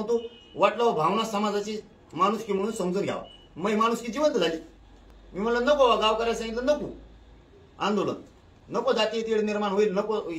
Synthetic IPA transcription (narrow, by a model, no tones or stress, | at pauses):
t̪o | ʋaʈləʋbʱaʋnasəmad͡zat͡ɕi | maɽ̃uskiːm̤əɽ̃uːnsəmd͡zuːnɡʱja̰ʋa̰ | məjmaɽ̃uskid͡ʑiʋənt̪d͡zʱali | miːm̤əɽlanəkoʋaɡaʋkəɾajs̬ãŋɡit̪lənəkṵ | ãnd̪olə̰n | nəkod͡zat̪iit̪iɽniɾmaɳɦoilnəko